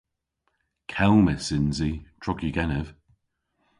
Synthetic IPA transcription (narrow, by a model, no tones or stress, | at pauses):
kʰɛlˠməsɪnzitʰɹ̥ɔkjiɡɛnəv̥